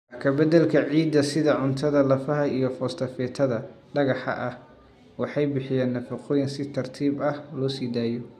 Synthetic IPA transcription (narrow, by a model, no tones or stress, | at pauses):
kʰɐbɐd̪ɐlkʰɐʕiːd̪ːɐsɪðɐʕʊnt̪ʰɐðɐlɐfɐɦɐijɞfɔːst̪ʰɐfɛːt̪ʰɐðɐ | ɖɐɣɑħɐ̰ʔɐh | wɑħɑjbɪħɪjaːnːɐfɐqʰɔːjɪnsɪt̪ʰɐrt̪ʰiːbɐhlɔːsiːd̪aːjɔ